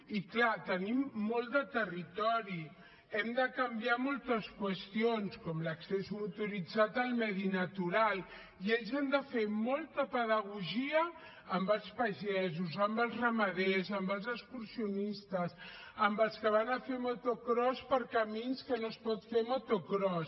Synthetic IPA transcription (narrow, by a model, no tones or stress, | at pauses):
iklat̪ənimːɔlˠd̪ət̪ərit̪ɔɾi | ɛmd̪əkəmbiamɔlˠt̪əskwəst̪ionskɔmləksɛzmut̪uɾid͡zat̪əlˠmɛðinət̪uɾal | ieʎzɛmd̪əfemɔlˠt̪əpəðəɣ̞uʒiəː | mbəlˠspəʒɛzuzəmbəlˠzrəməðezəmbəlˠzəkskuɾsiunist̪əs | əmbəlˠskəβ̞anəfemot̪okɾɔspəɾkəminskənospɔt̪femot̪okɾɔs